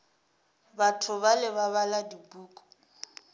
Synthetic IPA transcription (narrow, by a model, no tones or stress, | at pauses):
batʰʊβalɪβaβaladibuːkʼɔ̥